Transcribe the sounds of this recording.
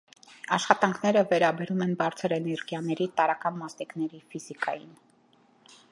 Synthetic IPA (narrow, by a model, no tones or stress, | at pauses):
ɑʃχɑt̪ɑŋkʰn̪ɛɾəvɛɾɑbɛɾumɛnbɑɾt͡sʰəɾɛnɛɾɡjɑnɛɾit̪ɑɾɑkɑnmɑsniknɛɾifizikɑ̰jin